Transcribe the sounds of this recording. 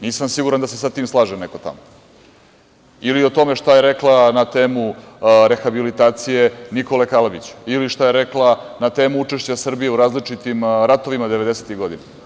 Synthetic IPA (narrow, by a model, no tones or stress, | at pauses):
niːsamsiɡuɾand̪ase̞sat̪iːmslˠaːʒeneko̞t̪a̰mo | ilio̞t̪o̞me̞ʃt̪ajeɾeklˠanat̪eːmuɾe̞xabilit̪aːt̪sijeniko̞le̞kalabit͡ɕu̥iliʃt̪aje̞ɾeklanat̪eːmuut͡ʂe̞ʃt͡ɕasr̩bijeuɾaːzlit͡ʂit̪imɾat̪o̞ʋimad̪eʋe̞d̪eset̪iɣɡo̞d̪ina